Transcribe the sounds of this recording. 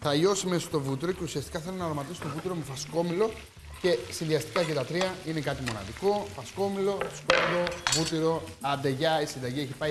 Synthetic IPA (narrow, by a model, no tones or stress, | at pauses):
θɐʎo̞sime̞sot̪o̞vut̪iɾo̞ce̞usiɐst̪i̥kɐθelonɐɾomɐt̪iso̥t̪o̞vut̪iɾo̞me̞fɐsko̞milo̞ | ce̞sinðiɐst̪i̥kɐcet̪ɐt̪ɾiɐine̞kɐt̪imo̞nɐ̰ðiko̞fɐsko̞milo̞sko̞milo̞vut̪iɾo̞ɐnd̪e̞ʝɐisind̪ɐʝieçipɐi